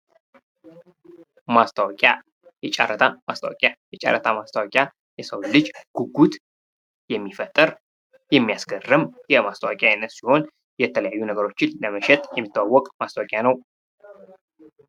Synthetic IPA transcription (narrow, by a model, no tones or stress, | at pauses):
mast̪ʰəwɔkʼja̰ | jɛt͡ʃʼa̰rːət̪ʰamast̪ʰa̰wɔkʼjajɛt͡ʃʼa̰ɾːət̪ʰamast̪ʰəwɔkʼja | jɛsəwlɨd͡ʒɡ̥uɡut̪ | jɛmːifət̪ʼːɨɾ | jɛmːijasɡərːɨmjɛmast̪əawakʼjajɛnːəsiho̞n | jɛt̪ʰələjajːunəɡəɾo̞t͡ʃːɪnləməʃɛt̪ʼjɛmːɨt̪ːəwawːɔkʼmast̪ʰəwɔkʼjanəw